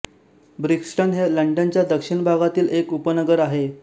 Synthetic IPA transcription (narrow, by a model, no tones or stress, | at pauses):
bɾiksʈənɦeləɳɖənt͡ɕjad̪əkʂiɳbʱaɡat̪iːlekupənəɡəɾaɦe